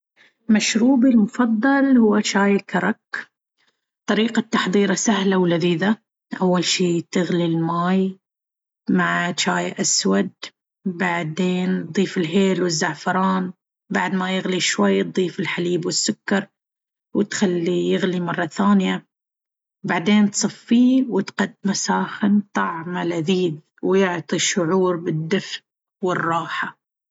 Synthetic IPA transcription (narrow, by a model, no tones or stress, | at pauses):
maʃɾuːbilmʊfɑðˤːɑlhʊwːat͡ʃaːjakɑɾˤɑk | t̪ˤɑɾiːqat̪ːɑħðˤiːɾasahlawlaðiːða | ʔawːalʃiːt̪ɪɣlilmaːj | maʕt͡ʃaːjaʔaswad̪̚ | baʕd̪eːn̚d̪ˤiːfɪlɦeːlwɪzːaʕfɑɾˤɑːn | baʕd̪majɪɣliʃwajːt̪̚d̪ˤiːfɪlħaliːbwɪsːʊkːɑɾˤ | wɪt̪xalːijɪɣlimɑrˤːɑθaːnja | baʕd̪eːnt̪sˤɨfːiːwɪt̪qad̪̚masaːxɪnt̪ˤɑʕmalaðiːð | wjʊʕt̪ˤiʃːʊʕuːɾbɪd̪ːɪfʔ | wɪrˤːɑːħa